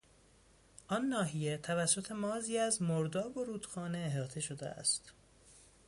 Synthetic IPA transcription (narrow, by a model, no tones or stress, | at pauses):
ʔɒnːɒːɦije̞t̪ʰævæsːot̪ʰe̞mɒːziːæzmoɾd̪ɒːbo̞ɾuːd̪xɒːneːɦɒːt̪ʰe̞ʃod̪ḛʔæ̰st̪